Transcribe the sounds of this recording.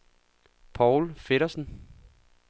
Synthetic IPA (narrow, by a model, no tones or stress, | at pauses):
pʰɒʊlfe̝ɾɐsn̩